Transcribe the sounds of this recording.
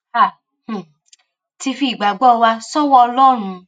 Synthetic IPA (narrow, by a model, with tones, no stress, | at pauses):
a˨ | h̩˨ | ti˧fi˧˨ɡ͡ba˨ɡ͡bɔ˦˨˧wa˧sɔ˦wɔ˦˧lɔ˦ɾ̃ũ˧